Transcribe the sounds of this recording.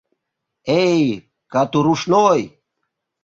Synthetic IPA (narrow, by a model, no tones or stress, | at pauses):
ej | kat̪uɾuʃnoj